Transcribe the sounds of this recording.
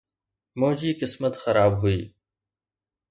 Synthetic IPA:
moːd͡ʒiːkɪsmət̪xɐɾaːbɦʊḭː

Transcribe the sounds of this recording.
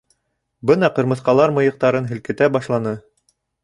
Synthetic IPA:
bɤnɑqɤ̆ɾmɤ̆θqɑlˠɑɾmɤ̆jɤ̆q̚t̪ɑɾɤnɦɘ̆lkɘ̆t̪æbɑʃlˠɑnɤ

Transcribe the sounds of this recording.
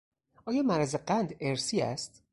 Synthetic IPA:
ʔɒːjɒːmæɾæzeɢænd̪eɾsiːæ̰st̪

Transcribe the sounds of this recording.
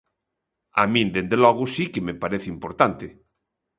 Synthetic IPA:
a̰mĩnd̪end̪elɔɣusikemepaɾeθeimpoɾt̪ant̪e

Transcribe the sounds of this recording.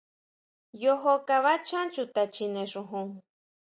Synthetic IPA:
joɦokaβat͡ʃant͡ʃut̪at͡ʃineʂuɦuŋ

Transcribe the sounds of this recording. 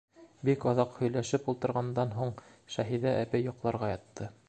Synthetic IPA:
bikɑðɑqhɵ̆jlæʃɘpulˠt̪ɤ̆ɾʁɑnd̪ɑnɦuɴʃæɦiðæʔæpɘjːŏqlˠɑɾʁɑjɑt̪ːɤ

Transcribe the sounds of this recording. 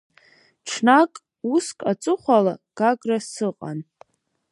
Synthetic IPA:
ʈ͡ʂʰnakʼ | uskʼat͡sʼɨχʷalaɡ̥aɡrasɨqʼa̰n

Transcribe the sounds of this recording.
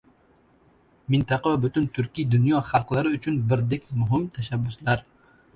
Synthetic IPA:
mɪnt̪ɑqɑvɛbʊt̪ʊnt̪ʰʊɾkʲijd̪ʊnjɑχɑlˠqlˠaɾɪʊt͡ʃʰʊnbɪɾd̪ekʲmʊɦɪmt̪ʰɛʃæbːʊslaɾ

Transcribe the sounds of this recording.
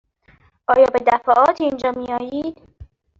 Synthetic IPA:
ʔɒːjɒːbe̞d̪æfæʔɒːt̪ʰiːnd͡ʒɒːmiːɒːjiːd̪̥

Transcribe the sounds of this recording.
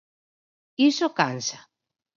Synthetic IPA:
isokansa

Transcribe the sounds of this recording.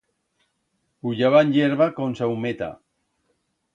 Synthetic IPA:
uʎaβanʎeɾβakonsawmet̪a̰

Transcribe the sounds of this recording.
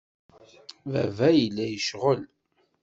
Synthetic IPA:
væ̰væjəlːæjəʃʁəl

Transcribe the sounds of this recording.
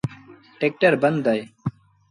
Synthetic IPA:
ʈek̚ʈəɾbɐnd̪aj

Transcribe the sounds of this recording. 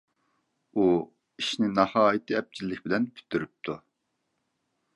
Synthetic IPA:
u | iʃnɪnɑhɑːjit̪ʰɪɛp̚t͡ʃʰilːɪkʲbɪlɛnpʰy̥t̪ʰːyɾyp̚t̪ʰu

